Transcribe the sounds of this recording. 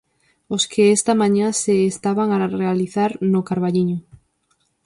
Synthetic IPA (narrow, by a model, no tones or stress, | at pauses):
oskeest̪amãɲãseːst̪aβaŋarealiθaɾnokaɾβaʎiɲo